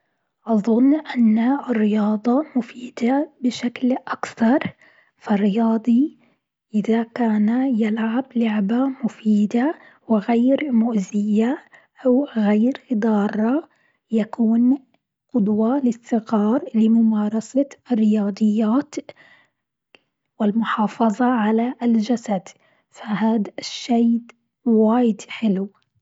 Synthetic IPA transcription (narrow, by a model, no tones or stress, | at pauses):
ʔɑðˤʊnːʔanːɪrːɪjɑːd̪ˤɑmʊfiːd̪abɪʃaklʔakθɑɾˤ | fɪrːɪjɑːd̪ˤi | ʔɪðakaːnajalʕablʊʕbamʊfiːd̪a | wɪɣajɾmʊʔzɪjːa | ʔawɣajɾd̪ˤɑːrˤːɑ | jakʰuːn | qʊd̪ˤwɑlɪsːɪɣɑːɾˤlɪmʊmɑːɾˤɑsaʔɪrːɪjɑːd̪ˤɨjːaːt̪ | wɪlmʊħɑːfɑðˤɑʕalaʔld͡ʒasad̪ | fahaːd̪aʃːajd̪ | waːjɪd̪ħɪl